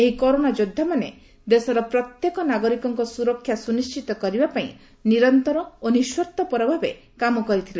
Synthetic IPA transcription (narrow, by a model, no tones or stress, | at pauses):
eɦikɔɾonad͡ʒod̪ʱːamane | d̪esɔɾɔpɾɔt̪jekɔnaɡɔɾikɔŋkɔsuɾɔkʰːjasunist͡ʃit̪ɔkɔɾibapaĩ | niɾɔnt̪ɔɾɔoniswɔɾt̪ɔpɔɾɔbʱabe | kamɔkɔɾit̪ʰile